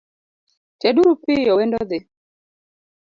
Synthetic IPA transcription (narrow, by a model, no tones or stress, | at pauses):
tɛɗuɾupɪjɔwɛndɔðɪ